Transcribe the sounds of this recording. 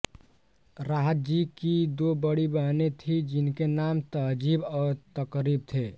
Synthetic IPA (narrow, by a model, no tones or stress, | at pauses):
ɾaɦət̪̚d͡ʒikid̪obəɽibəɦnet̪ʰid͡ʒinkenamt̪əd͡ʒibɔːɾt̪əkɾib̚t̪ʰe